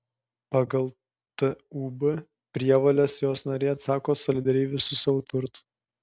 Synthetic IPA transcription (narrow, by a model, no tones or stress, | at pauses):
pɐɡɐlˠ | t̪ɨuːbɨ | pʲɾʲiɛʋoːlʲɛsjoːsnɐɾʲeːɐt̪sɑːkoːsɔlʲɪd̪ɐɾʲɛɪʋʲɪsʊsɐʋʊt̪ʊɾt̪ʊ̥